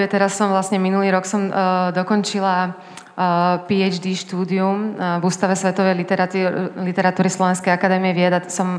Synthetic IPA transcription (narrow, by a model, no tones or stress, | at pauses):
ɛt̪ɛɾasːɔmʋlasɲɛminuliːɾɔksɔmd̪ɔkɔnt͡ʃila | piɛd͡ʒd̪iːʃt̪uːd̪iumvuːst̪aʋɛsʋɛt̪ɔʋɛj̪lit̪ɛɾat̪uːɾislɔʋɛnskɛjakad̪ɛːmiɛʋɪɛd̪asɔm